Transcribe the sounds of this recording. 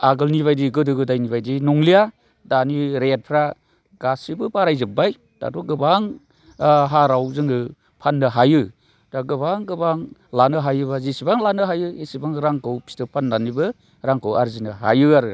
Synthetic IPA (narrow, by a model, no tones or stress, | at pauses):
aɡɯlniβajdiɡɯdɯɡɯdajnibajdinɔŋlija | daniɾet̚pʰɾa | ɡasibɯpaɾajzɯb̚aj | d̥a̰dɔɡɯbaŋ | ɦaɾawzɯŋɡɯ | pʰanːɯɦajɯ | d̥aɡɯbaŋɡɯbaŋlanɯɦajɯbazisibaŋlanɯɦajɯesibaŋɾaŋkɯwpʰi̥stɯpʰanːanibɯ | ɾaŋkʰɯwaɾzinɯɦa̰jɯaɾɯ